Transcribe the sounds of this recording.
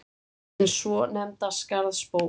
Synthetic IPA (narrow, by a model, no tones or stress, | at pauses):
nsvɔnɛmt̪askaɾðspoː